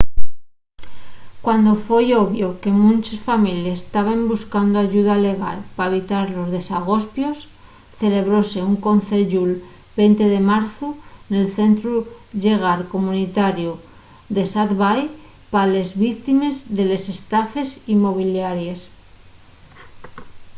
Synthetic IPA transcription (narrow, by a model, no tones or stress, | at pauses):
kwand̪o̞fwe̞jo̞βjo̞ke̞mũnt͡ʃesfamiljaest̪aβ̞embuskand̪oaʝuð̞ale̞ɣ̞a̰lpaeβit̪aɾlo̞zðe̞saɣ̞o̞spjo̞s | θe̞le̞β̞ɾo̞se̞uŋko̞nθe̞ʝul | b̥e̞nt̪e̞ðe̞maɾθune̞lθe̞nt̪ɾuʝe̞ɣ̞aɾko̞mũnit̪aɾju | d̪e̞sat̪βaj | pale̞zβikt̪ime̞zðe̞le̞se̞st̪afe̞simo̞β̞iljaɾje̞s